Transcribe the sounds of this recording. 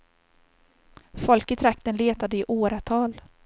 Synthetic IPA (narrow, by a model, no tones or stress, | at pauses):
fɔlkɪt̪ʰɾakt̪ənleːt̪ad̪əɪʔoːɾat̪ʰɑːl